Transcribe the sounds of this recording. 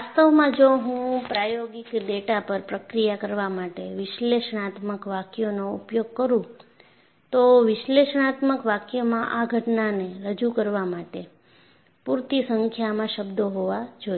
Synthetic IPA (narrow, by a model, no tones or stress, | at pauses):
ast̪əʋmãd͡ʒoɦũpɾajoɡikd̪eʈapəɾpɾəkɾijakəɾʋamaʈeʋɪʃleʃəɳ̃at̪məkʋakjonoupjoɡ̚kəɾũ | t̪oʋɪʃleʃəɳ̃at̪məkʋakjomãʔaɡʱəʈnaneɾəd͡ʒukəɾʋamaʈe | puɾt̪isəŋkʰjamãʃəbd̪oɦoʋad͡ʒo